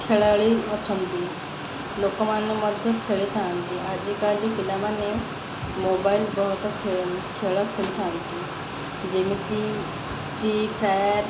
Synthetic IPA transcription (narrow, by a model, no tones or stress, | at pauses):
kʰeːɭaːɭiɔt͡ʃʰənt̪i | loːkamãnẽmɔd̪ʱjəkʰeːɭit̪ʰãːnt̪iad͡ʒekaːlikɪlamãne | moːbaːɪlbɔɦʊt̪kʰekʰeːɭakʰeːɭit̪ʰãːd̪it̪i | d͡ʒeːmĩt̪i | ʈipʰɾaːjaʈ